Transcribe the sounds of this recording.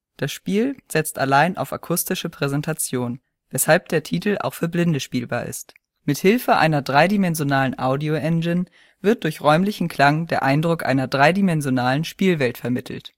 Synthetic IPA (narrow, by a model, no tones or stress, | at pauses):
d̥asʃpiːlz̥ɛt͡stʔalaɪnʔa̰ʊfa̰kʰʊstɪʃəpʁ̥ɛzɛntʰat͡sjoːn | vɛshalp̚d̥eːɐtʰiːtl̩ʔa̰ʊxfyːɐblɪndəʃpiːlbaːɐɪ̰st | mɪthɪlfəʔa̰ɪnɐdʁaɪdimɛnzjonaːlənʔaʊdioʔɛnd͡ʒɪn | v̥ɪɐt̚d̥ʊɐçʁɔʏmlɪçn̩kʰl̥aŋdeːɐʔaɪndʁʊkʔa̰ɪnɐdʁaɪdimɛnzjonaːlənʃpiːlvɛltfɛɐmɪtʰl̩t